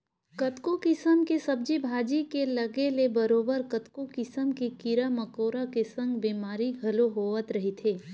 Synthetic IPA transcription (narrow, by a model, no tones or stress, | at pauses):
kɐt̪kokɪsəmkesɐb̚d͡ʒibʱaːd͡ʒikelɐɡelebɐɾoːbəɾkɐt̪kokɪsəmkekɪɾamɐkoːɾakesɐ̃ŋɡbiːmaːɾiɡʱɐloɦoːət̪ɾɐɦit̪ʰeː